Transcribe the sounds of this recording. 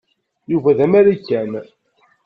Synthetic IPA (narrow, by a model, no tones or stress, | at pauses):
juvæðæmæɾikːæn